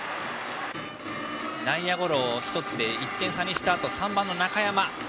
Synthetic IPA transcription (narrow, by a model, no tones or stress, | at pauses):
nãĩjaɡo̞ɾo̞ːçi̥t̪o̞t͡sɨd̪e̞it̪ːẽ̞ɰ̃saɲ̟ʲːiɕi̥t̪aːt̪o̞sãmbãnːo̞nakajama